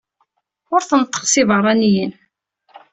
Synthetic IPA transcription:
ʊɾθənət̪ˤːə̥ʁsɪvərˤːɑnjən

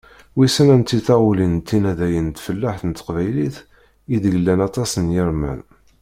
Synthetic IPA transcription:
wisænænt̪ːiθæʁulint̪ːinæðæjənt̪ːfəlːaħθənət̪ːqvæjliθ | iðəʝəlːænɑt̪ˤɑsənjəɾmæ̰n

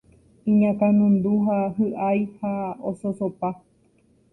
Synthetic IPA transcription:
ĩɲãkãnũnd̪uɦahɨʔajhaososopa

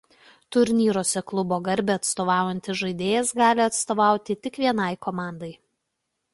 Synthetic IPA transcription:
t̪ʊɾʲnʲiːɾoːsʲɛklˠʊboːɡɐɾʲbʲɛɐt̪st̪oːʋɑˑːʊjɛnʲt̪ʲɪʒɐɪd̪ʲeːjɛsɡɑːlʲɪɐt̪st̪oːʋɑˑʊt̪ʲɪt̪ʲɪkʋʲiɛnɐɪkoːmɑːˑnd̪ɐɪ

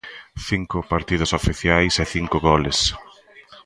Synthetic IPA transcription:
θiŋkʊpaɾt̪ið̞ʊsofiθjajsɛθiŋkʊɣɔles

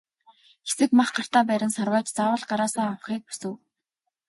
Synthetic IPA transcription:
xe̥sɘ̆kmaχɢar̥t̪aːpæːɾʲɪ̆nsarwaːt͡ɕt͡saːwə̆ɮɢaɾaːsaːawχiːk̚pu̥sɘ̆w

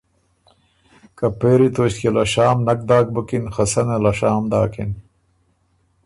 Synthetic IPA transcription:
kɐpeːɾit̪oːɕkelɐɕaːmnɐk̚d̪aːk̚bɐkinxɐsɐnelɐɕaːmd̪aːkin

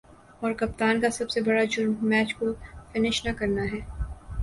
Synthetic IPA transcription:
ɔːɾkɐp̚t̪aːnkasɐbsebɐɽad͡ʒʊɾmːɛːt͡ʃkofɪnɪʃnɐkɐɾnaɦɛː

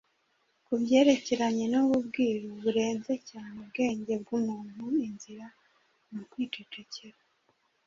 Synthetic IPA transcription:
kubje̞ːɾe̞ce̞ɾaɲe̞nuβubɡiːɾoβuɾe̞ːnze̞caːneubɡe̞ːɲɟe̞b̚ɡumuːn̥uinziɾa | nokwiːtuteceɾa

